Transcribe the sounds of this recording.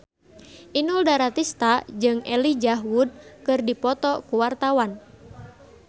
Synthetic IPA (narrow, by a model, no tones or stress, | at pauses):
ʔinuldaɾat̪ist̪ad͡ʒɨŋɛlid͡ʒaɦwud̚kɨrdipɔt̪ɔkuwart̪awan